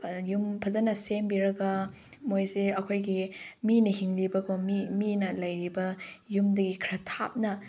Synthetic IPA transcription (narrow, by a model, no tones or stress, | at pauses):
jumpʰɐzɐnɐsembiɾɐɡɐ | mojzeɐkʰojɡiminɐɦiŋlibɐɡomiminɐlɐjɾibɐjumdɐɡikʰɾɐtʰa̰p̚nɐ